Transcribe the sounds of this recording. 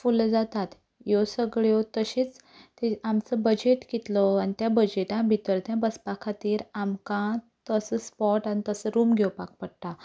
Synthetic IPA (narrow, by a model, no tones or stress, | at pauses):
fuld͡zat̪at̪ | josəɡɭjot̪əɕiːt͡s | t̪eamt͡səbəd͡ʑeʈkit̪lɔanit̪jabəd͡ʑeʈãbʱit̪əɾt̪jãbəspakʰat̪iːɾamkã | t̪əsəspɔʈanit̪əsəɾuːmɡʱewpak̚pəɽt̪a